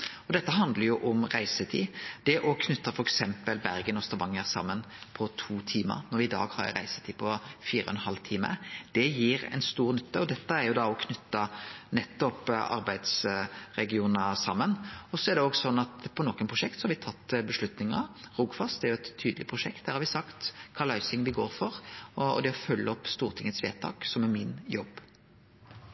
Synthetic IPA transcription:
ɔd̪ɛt̪ːəɦɑnd̪ləɾjʊʔɔmɾæɪsət̪ʰḭːd̪̥ɛʔɔkʰnʉt̪ːɑfɔɾɛksɛmpəlbæɾɡənɔst̪ɑʋɑŋːæʁsɑ̰mːənpʰɔt̪ʰuːt̪ʰiːmə̰ɾnɔɾʋɪɪd̪ɑ̰ːɡhɑ̰ɾɾæ̰ɪsə̥t̪ʰiːpʰɔfiːɾə̰ɔnhɑlt̪ʰiːmə̰d̪̥ɛjiːɾɛ̰nst̪uːɾnʏt̪ːəɔd̪ɛt̪ːəæɾjʊd̪ɑɔkʰnʉt̪ːɑnɛt̪ːɔpʔɑ̰ɾbæɪd̪sɾɛɡɪuːnəsɑmːənɔsːɔæɾd̪ɛɔɡsɔnːɑt̪pʰɔnɔkːənpʰʁʊʂɛk̚t̪sɔhɑɾʋɪt̪ʰɑt̪ːbəʂlʉt̪nɪŋɑ̰ɾuɡfɑst̪æɾjʊɛt̪ʰːyːd̪lɪpʰʁʊʂɛkt̪̚d̪æːɾhɑʋɪsɑkt̪kʰɑːlɑʉsɪŋʋɪɡoːɾfɔɾɔɔ̰d̪ɛɔfœlːəɔpːst̪uːɾt̪ʰɪŋːət̪sʋḛːt̪ʰɑ̰ːksɔmæmɪnjɔbː

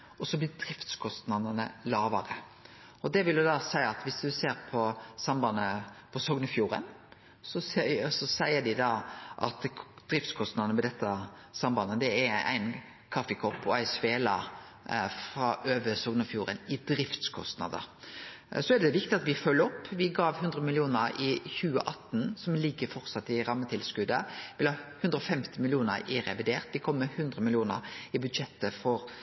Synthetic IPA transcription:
ɔsɔblɪd̪ɾɪft̪skʰɔst̪nɑd̪ənəlɑːʋɑɾə | ɔd̪ɛʋɪld̪ʉd̪ɑsæɪɑt̪ʋɪsd̪ʉseːɾpʰɔsɑmbɑnːəpʰɔsɔɡnəfjuːɾə̰n | sɔssɔsæɪəɖ̪ɪd̪ɑːʔɑ̰t̪d̪ɾɪft̪skʰɔst̪nɑd̪ənəmɛd̪ɛt̪ːəsɑmbɑnəd̪ɛɛɾæ̰ɪn | kʰɑfəkʰɔpːɔæɪsʋeːlɑ | fɾɑʔøːʋəsɔɡnəfjuːɾə̰nɪd̪ɾɪft̪skʰɔst̪nɑ̰d̪ə̰ | sɔɛd̪ɛd̪ɛʋɪk̚t̪ɪɑt̪ʋɪfœlːəɔpːʋɪɡɑːʋhʉnd̪ɾəmɪlɪuːnəɾɪçʉːə̰ʔɑt̪ːnsɔmlɪɡːəfɔɾt̪sɑt̪ːɪɾɑmːət̪ʰɪlskʉd̪əʋɪlhɑːhʉnd̪ɾəɔfɛmt̪ɪmɪlɪuːnə̰ɾɪɾɛ̰ʋɪd̪eːʁt̪ʋɪkʰɔmːɛhʉnd̪ɾəmɪljuːnə̰ɾɪbʉd̪ʂɛt̪ːəfɔɾ

